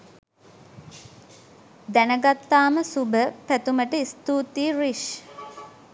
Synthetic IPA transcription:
d̪ænəɡat̪ːaːməsubəpæt̪uməʈəist̪uːt̪iːriʃ

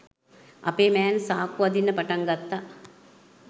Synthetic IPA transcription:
ʔɐ̰peːmɛːnsaːkuʋɐd̪inːəpaʈɐŋɡat̪ːa

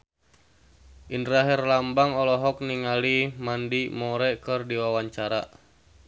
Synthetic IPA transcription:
ʔindɾaɦirlambaŋɔlɔɦɔk̚niŋalimandimɔɾɛkərdiwawaɲt͡ʃaɾa̰

